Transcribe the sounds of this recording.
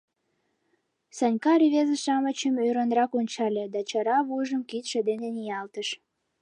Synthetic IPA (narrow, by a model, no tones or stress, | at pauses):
sənʲkɑɾiβezəʃɑmət͡ɕəmøɾənrɑkonʲt͡ɕɑlʲed̪ɑt͡ɕəɾɑβujʒəmkit̪ʃĕd̪enenijɑlt̪əʃ